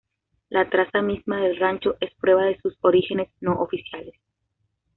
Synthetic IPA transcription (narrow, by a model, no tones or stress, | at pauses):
lʔat̪ɾasamizmaðe̞lrant͡ʃo̞ʔe̞spɾwe̞βaðe̞suso̞ɾixe̞ne̞zno̞ʔofisjales